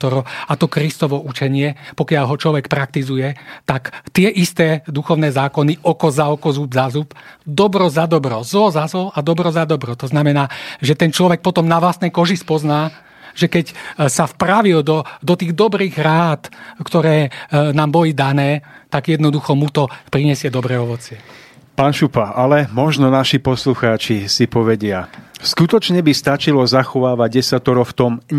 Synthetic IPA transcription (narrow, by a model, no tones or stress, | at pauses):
t̪ɔɾɔat̪ɔkɾist̪ɔʋɔʔut͡ʃɛɲɪɛpɔkɪaʎɦɔt͡ʃlɔʋɛkpɾak̚t̪izujɛt̪akt̪ɪɛʔist̪ɛːd̪uxɔʊnɛːzaːkɔniʔɔkɔzaɔkɔzubzazupd̪ɔbɾɔzad̪ɔbɾɔzlɔzazlɔʔad̪ɔbɾɔzad̪ɔbɾɔt̪ɔznamɛnaːʒɛt̪ɛnt͡ʃlɔʋɛk̚pɔt̪ɔmnaʋlast̪nɛjkɔʒispɔznaː | ʒɛkɛcsafpɾaʋild̪ɔd̪ɔt̪iːɣd̪ɔbɾiːɣɾaːt̪kt̪ɔɾɛːnaːmbɔlid̪anɛːt̪aɡjɛd̪nɔd̪uxɔmut̪ɔpɾiɲɛsɪɛd̪ɔbɾɛːɔʋɔt͡sɪɛ | paːnʃupaalɛmɔʒnɔnaʃipɔsluxaːt͡ʃisipɔʋɛɟɪaskut̪ɔt͡ʃɲɛbist̪at͡ʃilɔzaxɔʋaːʋaɟɟɛsat̪ɔɾɔft̪ɔm